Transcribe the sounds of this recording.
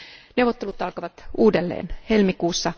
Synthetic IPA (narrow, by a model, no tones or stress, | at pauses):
newʋˑot̪ːelut̪ɑlkɑʋɑt̪uːdelːḛːnhelmikuːsːɑ